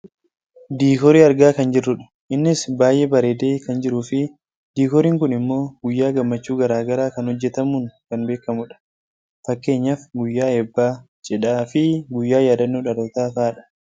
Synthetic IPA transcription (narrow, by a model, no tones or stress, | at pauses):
d̪iːkɔɾiːɐɾɡaːkɐnd͡ʒɪrːʊᶑɐ̥ | ʔɪnːɪsbaːjʔeːbɐɾeːd̪eːkɐnd͡ʒɪɾuːfɪ | d̪iːkɔɾiːŋkʊnɪmːo̞ːɡʊjːaːɡɐmːɐt͡ʃːuːɡɐɾaːɡɐɾaːkɐnhɔd͡ʒːɛt̪ɐmuːŋkɐnbe̞ːkːɐmʊᶑɐ̥ | fɐkːe̞ːɲːɐfɡʊjːaːeːbːaː | d͡ʒʼɛᶑaːfɪɡʊjːaːjaːd̪ɐnːuːᶑɐɾoːt̪aːfaːᶑɐ̥